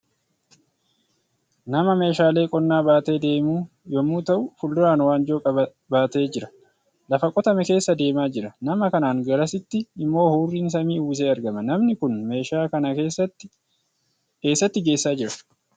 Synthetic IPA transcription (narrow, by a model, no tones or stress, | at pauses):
nɐmɐme̞ːʃaːle̞ːkʼɔnːaːbaːt̪e̞ːd̪e̞ːmuː | jɔmːuːt̪ɐʔʊfʊlːʊɾaːnwaːnd͡ʒoːkʼɐ | baːt̪e̞ːd͡ʒɪɾɐ | lɐfɐkʼɔt̪ɐmɛke̞ːsːɐd̪e̞ːmaːd͡ʒɪɾɐnɐmɐkɐnaːŋɡɐɾɐsɪt̪ːɪɪmːo̞ːhuːrːiːns̬ɐmiːuːs̬e̞ːɐɾɡɐmɐnɐmnɪkʊnme̞ːʃaːkɐnɐkeːsːɐt̪ːɪ | ke̞ːsːɐt̪ːɪɡe̞ːsːaːd͡ʒɪɾɐ̥